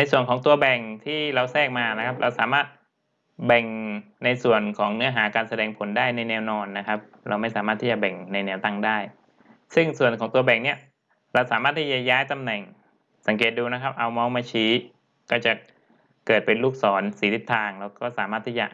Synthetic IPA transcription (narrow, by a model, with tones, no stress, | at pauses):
na˧jsu˨˩ənkʰɔː˩˦ŋt̪u˧ɐbɛ˨˩ŋt̪ʰiː˥˩ɾa˧wsɛː˥˩k̚maː˧na˦˥kʰa˦˥p̚ɾʔa˧wsaː˩˦maː˥˩t̪̚ | bɛ˨˩ŋ | na˧jsu˨˩ənkʰɔː˩˦ŋnɯ˦˥ɐɦaː˩˦kaː˧nsa˧dɛː˧ŋpʰo˨˩˦ndaː˥˩jna˧jnɛː˧wnɔː˧nːa˦˥kʰa˦˥p̚ | ɾa˧wma˥˩jsaː˩˦maː˥˩t̪ʰiː˥˩t͡ɕa˨˩bɛ˨˩ŋna˧jnɛː˧˥˩wt̪a˧˥˩ŋdaː˥˩j | sɯ˥˩ŋsu˨˩ənkʰɔː˩˦ŋt̪u˧ɐbɛ˨˩ŋni˥˩ɐ | ɾa˧wsaː˩˦maː˥˩t̪ʰːiː˥˩t͡ɕa˨˩jaː˦˥jt̪a˧mnɛ˨˩ŋ | sa˩˦ŋk̬eː˨˩t̪̚duː˧na˦˥kʰa˦˥p̚ʔa˧wmɔː˦˥ŋmaː˧t͡ɕʰiː˦˥ | kɔː˥˩t͡ɕa˨˩ | kɤː˨˩t̪̚pe˧nluː˥˩k̚sɔː˩˦nsiː˩˦t̪ʰi˦˥t̪ʰːaː˧ŋlɛː˧˥wkɔː˥˩saː˨˦maː˥˩t̪ʰːiː˥˩t͡ɕa̰˨˩